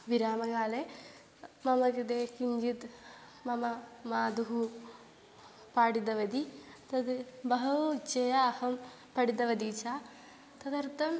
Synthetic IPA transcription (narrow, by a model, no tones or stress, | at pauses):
ʋiɾaːmɐɡaːle | mɐmɐkɐd̪eːkiɲd͡ʒit̪ | mɐmɐmaːd̪uɦu | paːɽid̪ɐʋɐd̪it̪ɐd̪bɐɦɐt͡ʃɐjaːhɐm | pɐɽid̪ɐʋɐd̪iːt͡ʃaː | t̪ɐd̪ɐɾt̪ɐm